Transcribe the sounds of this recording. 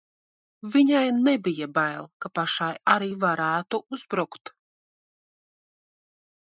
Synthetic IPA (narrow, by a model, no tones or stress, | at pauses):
viɲajnɛbijabajlˠkapaʃajaɾiːvaɾæːt̪uuzbɾukt̪